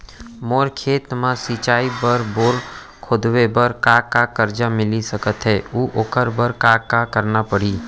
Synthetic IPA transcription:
moːɾkʰeːt̪mãsit͡ʃaːibəɾboːɾ | kʰʊd̪webəɾkakakəɾd͡ʒamɪlisɐkət̪ɦɛːuːʔoːkəɾbəɾkakakəɾnapəɽ̤iː

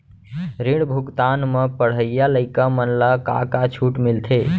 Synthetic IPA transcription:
ɾiɽbʱuɡt̪anmepəɽ̤əijaləɪkamənlaka̰kat͡ʃʰuʈmilt̪ʰe

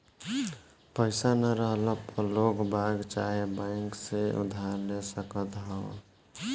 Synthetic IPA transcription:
pəɪsanaɾəɦlɔpəloːkbaɡt͡ʃa̰ɦebãɪŋkseṵd̪ʱaɾlesəkət̪ɦɔː

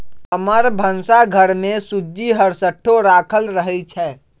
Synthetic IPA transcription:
əməɾbʱənsaɡʱəɾmẽsʊd͡ʒːiɦəɾsəʈʰːoɾaːkʰəlɾəɦɛt͡ʃʰɛː

